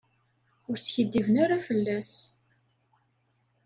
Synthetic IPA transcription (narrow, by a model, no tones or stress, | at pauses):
ʊɾsçəd̪ːivənaɾafəlːæs